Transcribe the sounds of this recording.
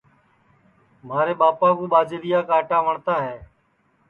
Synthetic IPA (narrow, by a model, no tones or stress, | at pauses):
m̤aːɾeːɓaːpaːkuːɓaːd͡ʒeɾɪjaːkaːʈaːʋəɳt̪aːɦɛː